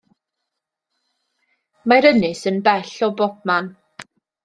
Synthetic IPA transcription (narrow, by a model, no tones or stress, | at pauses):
maɾənɪsənbɛɬɔbɔb̚man